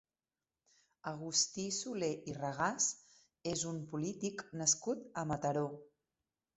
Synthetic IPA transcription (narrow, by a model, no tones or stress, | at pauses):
əɣ̞ust̪isuleʔirəɣ̞as | ezumpulit̪iknəskut̪əmət̪əɾo